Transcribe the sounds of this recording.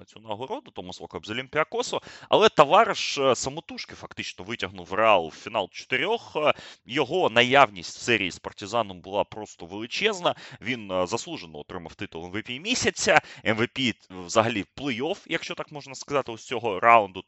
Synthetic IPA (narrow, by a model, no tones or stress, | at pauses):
ɐt͡sʲɔnɐlˠɦˠɔɾɔd̪ʊt̪ɔmʊsˠɔkɔɐbzɔlʲimʲpʲɪɐkɔsɔɐ̰lˠɛt̪ɐʋɑɾʃsɐmɔt̪uʃkɪfɐkt̪ɪt͡ʃnɔʋɪtʲɐɦnʊwreɑlˠʊwfʲin̪ɑlˠt͡ʃɔ̥t̪ɪɾʲɔxjɔɦɔnɐjaʋnʲisʲtʲsɛɾʲḭːispɐrtʲɪzɑnɔmbʊlˠɑpɾɔst̪ɔʋelˠɪt͡ʃɛznɐʋʲinzɐslˠuʒenɔɔt̪ɾɪmɐwt̪ɪt̪ʊlˠɛnʋepʲimʲisʲɐt͡sʲːɐɛnʋepʲiʋzɐɦɐlʲiplˠɪjɔfjɐkʃt͡ʃɔt̪ɑkmɔʒnɐskɐzɑt̪ɪʊt͡sʲɔɦɔɾaʊnd̪ʊ